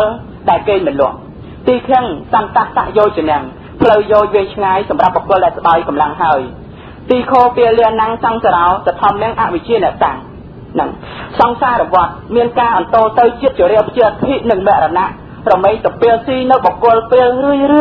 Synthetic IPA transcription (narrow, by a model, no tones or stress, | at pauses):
əl | ɗaɛlkeːɲmɨnlʊ̆əʔ | t̪iːkʰɛəŋsant̪ahsa̰ʔjoːjt͡ɕiənɛ̆əŋ | pʰləwjoːjʋeːjt͡ɕʰŋaːjsɑmrap̚ɓokʊ̆əlɗaɛlsə̆ɓajkɑmlaŋɦaəj | t̪iːkʰoːpiəlɛənaŋsɑŋsaɾaɔsat̪ʰɑmnɛ̆əŋʔaʔʋɨc̚t͡ɕiənɛ̆əʔt̪aŋ | nɨŋ | sɑŋsaːɾɔʋŏət̪̚miənkaːʔɑnt̪oːt̪ɨwt͡ɕiət̪̚t͡ɕoəɾɛəpʰt͡ɕiət̪ʰiʔ̚nɨŋmɛ̆əʔranaʔ | rɔmeːŋsɑpiəlsiːnɨwɓokʊ̆əlpeːəlrɨəjrɨə